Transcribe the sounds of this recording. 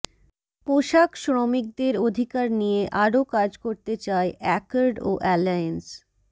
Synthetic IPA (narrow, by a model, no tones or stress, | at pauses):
poʃakʃɾomik̚d̪eɾod̪ʱikaɾnijeʔaɾokaɾd͡ʑkoɾt̪et͡ɕaeʔɛkaɾɖoʔɛlaens